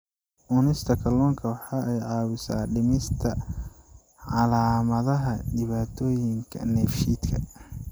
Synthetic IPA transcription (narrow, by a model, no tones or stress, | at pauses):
ʔʊnɪst̪ʰɐkʰɐlɔːŋkʰɐwɑħɑʔɛjʕɑːwʊsa̰ːɖɪmɪst̪ʰɐ | ʕɑlaːmɐðɐɦɐɖɪβaːt̪ʰɔːjɪŋkʰɐ̰nɛːfʃiːt̪kʰɐ̰